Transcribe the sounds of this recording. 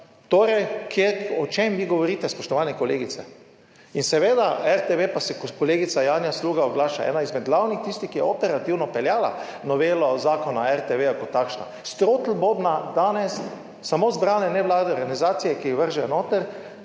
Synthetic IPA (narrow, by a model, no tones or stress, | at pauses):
t̪oːɾɛjkʰjeɔt͡ʃemʋiɡoʋɔɾiːt̪ɛspɔʃt̪ɔʋanɛkɔleːɡitsɛ | insɛʋeːd̪aɛɾt̪eʋepasɛkkɔleːɡit̪sajaːnjasluːɡaɔɡlaːʃaɛ̰ːnaizmɛd̪̚ɡlawnixt̪ist̪ixkːijɛɔpɛɾat̪iwnɔpɛljaːla̰nɔʋeːlɔzaːkɔnaɛɾt̪eʋejakɔt̪ːakʃna̰ | st̪ɾot̪l̩bobnad̪aːnɛsː | amozbɾaːnɛnɛʋlaːd̪ɛɔɾɡanizaːt̪sijɛkiʋəɾʒɛnoːt̪ɛɾ